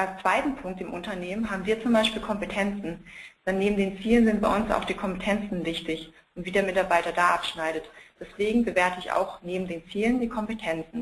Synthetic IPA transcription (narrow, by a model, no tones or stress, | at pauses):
ʔalst͡sv̥aɪtn̩pʰʊŋk̚tɪmʔʊntɐneːmənɦaːbm̩viːɐt͡sʊmbaɪʃpiːlkʰɔmpətʰɛnt͡sn̩d̥ɛnːeːbm̩deːnt͡siːlənzɪnt̚b̥aɪʔʊnsa̰ʊxd̥iːkʰɔmpətʰɛnt͡sn̩vɪçtɪç | ʔʊntv̥iːdeːɐmɪtaɐbaɪtɐdaːʔapʃnaɪɾətd̥ɛsv̥eːɡŋ̩bəveːɐtʰəɪça̰ʊxneːbm̩deːnt͡siːləndiːkʰɔmpətʰɛnt͡sn̩